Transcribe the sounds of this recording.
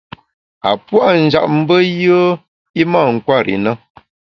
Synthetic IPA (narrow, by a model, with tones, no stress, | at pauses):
a˨pwa˦n̩˨d͡ʒa̰˨ʔm̩˦bə˦jə˦ | i˦ma˦˨ŋ̩˨kwa˦˨ɾḭ˨nə˦